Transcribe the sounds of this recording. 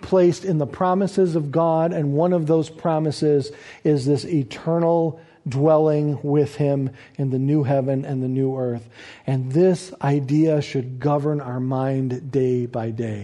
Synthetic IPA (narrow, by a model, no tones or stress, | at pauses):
pʰl̥eɪstɨ̃nðəpʰɹ̥ɑmɨsɨzʌvɡɑɾɨ̃nwʌ̃nʌvðoʊz̥pʰɹ̥ɑmɨsɪzɪzðɪsitʰɜ̃˞nl̩ˠ | dwɛlˠɪ̃ŋwɪð̥ɪ̃m | ɨ̃nðɨnʉɦɛvɨ̃nɨ̃nðɨnʉɜ˞θɨ̃nðɪsʔaɪdiɨʃɨd̚ɡʌvə˞naʊə˞mãɪ̃ndeɪbaɪdeɪ